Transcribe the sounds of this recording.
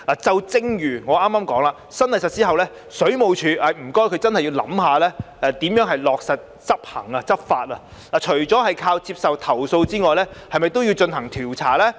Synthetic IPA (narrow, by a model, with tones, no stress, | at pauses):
aː˨˩t͡sɐ˧wt͡sɪ˥ŋjyː˨˩ŋɔː˨˧ʔaː˥mːaː˥mkɔː˨˥ŋlaː˨˧ | sɐ˥nlɐ˨˩sɐ˨t̚t͡siː˥ɦɐ˨wlɛː˥ | sɵ˨˥ɥmo˨wt͡ʃʰyː˨˧ʔɐː˨˧m̩˨˩kɔː˥jkʰɵ˨˧ɥt͡sɐ˥nhɐ˨jːiː˧wlɐ̰˨˧˥mhaː˨˧lɛː˥ʔɛ˨˧t̪iː˨˥mjœː˨˥ŋɦɐ˨jlɔː˨k̚sɐ˨t̚ | t͡sɐ˥p̚hɐ̰˨˩ŋɐ˧t͡sɐ˥p̚faː˧t̚ɐ˧ | laː˨t͡ʃʰɵ˨˩ɥt͡sɔː˨˥ɦɐ˨jkʰaː˧wt͡siː˧˥p̚sɐ˨wt̪ʰɐ˨˩wso˧wt͡siː˥ŋɔː˨jlɛː˥hɐ˨jmɐ˨jt̪o˥wji˧wt͡ʃɵ˧nɦɐ˨˩ŋt̪ʰiː˨˩wt͡sʰa̰ː˨˩lɛː˥